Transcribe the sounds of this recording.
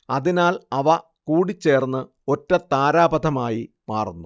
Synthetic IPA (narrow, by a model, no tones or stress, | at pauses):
ɐðinaːlɐʋɐ | kuːɽit͡ɕːe̞ːrnːɨ | o̞tːɐt̪aːɾaːbɐd̪ʱɐmaːji | maːrunːu